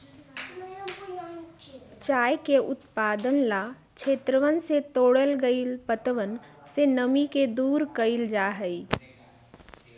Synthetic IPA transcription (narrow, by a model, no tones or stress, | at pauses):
t͡ʃaːjkeʔʊt̪paːd̪ənla | t͡ʃʰeːt̪ɾəʋənset̪oːɽəlɡəilpət̪əʋənsenəmiked̪uːɾkəild͡ʒaːɦəi